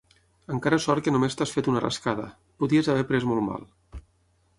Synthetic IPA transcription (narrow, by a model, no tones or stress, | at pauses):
əŋkaɾəsɔɾkənumest̪asfet̪unərə̰skaðə̰ | puðiəzaβɛpɾezmɔlˠma̰lˠ